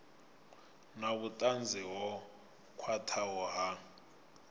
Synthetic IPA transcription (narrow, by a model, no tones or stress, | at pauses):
naβutʼand͡zʱɛwɔ | kʰwatʰawɔɦa